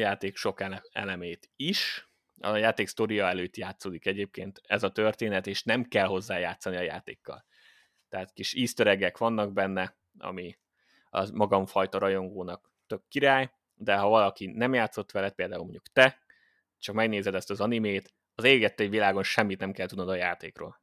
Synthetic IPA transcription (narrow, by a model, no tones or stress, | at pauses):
jaːt̪eːkʃo̞kɛɛ̰lɛmeːt̪iʃ | ɒ̰jaːt̪eːkst̪oɾijɒɛløːt̪jaːt̪soːd̪ikɛɟeːp̚keːnt̪ɛzɒt̪ørt̪eːnɛt̪eːʃnɛmkɛlɦo̞zːaːjaːt̪sːɒniɒja̰ːt̪ḛːkːɒ̰l | t̪ɛɦaːt̪kiʃiːst̪øɾɛɡɛkʋɒnːɒɡ̚bɛnːɛ | ɒ̰mi | ɒ̰mɒɡɒɱfɒjt̪ɒɾɒjo̞ŋɡoːnɒk̚ | t̪ø̞b̚kːiɾaːj | d̪ɛɦɒvɒlɒkinɛmjaːt̪so̞t̪ːʋɛlɛt̪̚peːld̪aːulmo̰ɲɟukt̪ɛ | t͡ʃɒkmɛɡneːzɛd̪ɛst̪ɒzɒnimeːt̪ | ɒzeːlɡɛt̪ːɛvʋilaːɡo̞nʃɛmːit̪nɛmkɛlt̪ud̪nɒd̪ɒjaːt̪eːkro̰ːl